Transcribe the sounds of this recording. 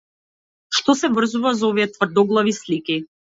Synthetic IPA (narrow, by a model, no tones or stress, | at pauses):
ʃt̪ɔsɛvr̩zuvazaɔviɛt̪vr̩d̪ɔɡlˠavisliki